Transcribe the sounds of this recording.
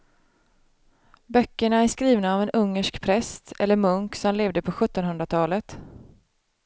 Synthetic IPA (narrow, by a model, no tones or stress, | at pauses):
bœkːəɳaæʂkɾiːvnaːvɛnʔɵŋːəʂkpʰɾɛst̪ɛ̰lːəɾmɵŋksɔmleːvd̪əpʰɔɧɵt̪ːɔnɦɵnd̪ɾat̪ʰɑːlət̪